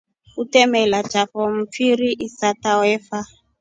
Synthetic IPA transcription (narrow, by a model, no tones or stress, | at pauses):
utɛmɛlḁd͡ʒafɔm̩p̪fiɾiʔisatawɛfa